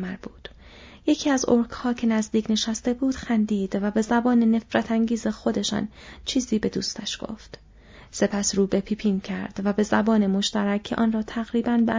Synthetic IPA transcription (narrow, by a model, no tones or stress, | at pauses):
mæɾbuːd̪̥ | je̞cʰiːæzoɾkʰhɒːcʰe̞næzd̪iːcʰne̞ʃæst̪e̞buːd̪̥xænd̪iːd̪̥væbe̞zæbɒːnene̞fɾæt̪ʰæŋɟiːze̞xo̞d̪e̞ʃɒ̰ːnt͡ʃʰiːziːbe̞d̪ṵːst̪æʃɡ̥o̞̰ft̪ | se̞pʰæsɾuːbe̞pʰiːpʰiːncʰæɾd̪̥væbe̞zæbɒːnemo̞ʃt̪æɾækʰːeʔɒːnrɒːt̪ʰæɣɾiːbænbe